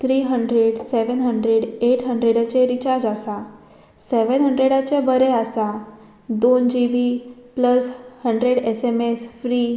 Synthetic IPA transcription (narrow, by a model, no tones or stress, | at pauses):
t̪ʰɾiːɦəɳɖɾeɽseʋənɦəɳɖɾeɽeʈɦəɳɖɾeɽt͡ɕeɾit͡ɕaɾd͡ʑasa | seʋənɦəɳɖɾeɽat͡ɕebəɾɛasa | d̪ond͡ʑiʋipləshəɳɖɾeɽesemesfɾiː